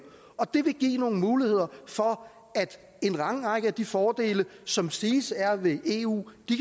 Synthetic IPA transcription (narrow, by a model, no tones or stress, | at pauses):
ɒ̽d̥e̝ʋe̝ɡ̥ḭːno̝ːn̩muːlihe̝ð̰ˠɐfɒ̽ | æd̥ | e̝nʁɑ̈ŋʁɑ̈ɡ̥əæd̥ifɒːd̥e̝̰ːləsɒ̽msiːsæɐʋe̝ʔe̝̰ːṵːd̥ikʰ